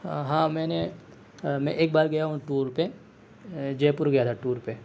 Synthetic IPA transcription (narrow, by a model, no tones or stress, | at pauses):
ɦãːmɛ̃ːne | mɛ̃ʔeːk̚baːɾɡɐjaɦũʈuːɾɾpe | d͡ʒeːpʊɾɡɐjat̪ʰaʈuːɾpe